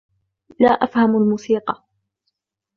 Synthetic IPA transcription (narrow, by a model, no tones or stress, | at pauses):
laːʔafhamalmuːsiːqɑ